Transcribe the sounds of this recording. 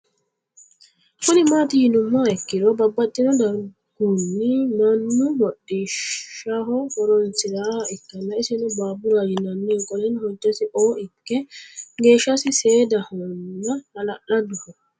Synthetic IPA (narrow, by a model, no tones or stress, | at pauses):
kʊnɪmaːt̪ɪhɪnʊmːaɛkːɪɾɔbɐbːɐt̪ʼːɪnɔd̪ɐɾɡ̥uːnːɪnɐnːʊmɔɗiʃɐɦɔhɔɾɔnsɪɾaːhɐɪkːɐnːɐɪsɪnʊbaːbʊɾaːd͡ʒɪnɐnːɛkʼɔlɛnhɔd͡ʒːɛsɪʔoːʔɪkːɛɡe̞ːʃːɐsɪse̞ːd̪ɐhɔnːɐnɐlɐʔɐd̪ʊhɔ